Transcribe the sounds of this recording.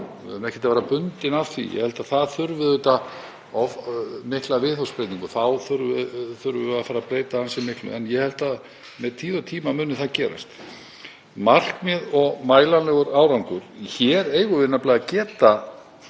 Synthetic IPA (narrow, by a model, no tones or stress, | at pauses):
mɛhcːɛt̪avɛːɾapʏnt̪ɪnafθḭjɛ̰hɛlt̪aðθaðθʏɾvʏðʏt̪a | ɔmɪhklavɪθowspɾejt̪niŋkʏθawθʏɾvʏθʏɾvʏaðfaːɾapɾeːjt̪aansɪmːɪhklʏ̰ɛnjɛhɛlt̪að | mɛðt̪ʰiːðɔt̪ʰiːmamʏːnʏθaðcɛːɾa̰st̪ | mar̥kmɛðɔɣmaːjlanlɛːɣʏɾaːwɾawŋkʏɾ̥çɛɾeːjɣʏvɪnːaplaːjcɛːt̪a